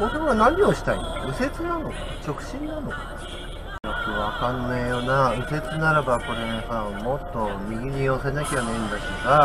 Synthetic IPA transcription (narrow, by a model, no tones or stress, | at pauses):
mot̪omoɡanãɲ̟io̞ɕi̥t̪aioɯ̟se̞t͡sɨnano̞ka̰t͡ɕo̞kɯ̟̥ɕĩnːanoka | jokɯβakãnːaijonaɯ̟se̞t͡sɨnaɾabako̞ɾẽhãmo̞t̪ːo̞mʲiɡʲiɲ̟io̞senakʲanẽnd̪akeɡa